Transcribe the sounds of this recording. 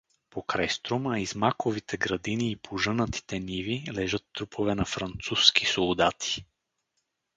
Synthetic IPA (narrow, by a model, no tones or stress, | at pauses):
pokɾajst̪ɾoməizmakovit̪ɛɡɾɐd̪iniːpʰoʒɤnət̪ʰi̥t̪ɛnivilɛʒɤt̪ːɾupʰovɛnɐfɾɐnt̪suskisolˠd̪at̪ʰi̥